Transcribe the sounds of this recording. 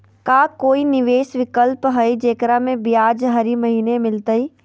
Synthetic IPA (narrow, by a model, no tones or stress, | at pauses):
kaːkoːinɪʋeːsʋɪkəlpɦəid͡ʒeːkɾamẽbɪjaːd͡ʒɦɐɾimɐɦiːnemɪlt̪əiː